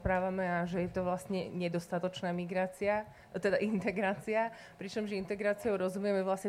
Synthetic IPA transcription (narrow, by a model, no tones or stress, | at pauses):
pɾaːʋamɛaʒɛjɛt̪ɔʋlasɲɛ̰ɲɛd̪ɔst̪at̪ɔt͡ʃnaːmiɡɾaːt͡sia | t̪ɛd̪aʔint̪ɛɡɾaːt͡sia | pɾit͡ʃɔmʒint̪ɛɡɾaːt͡siɔʊɾɔzumujɛmɛʋlasɲɛ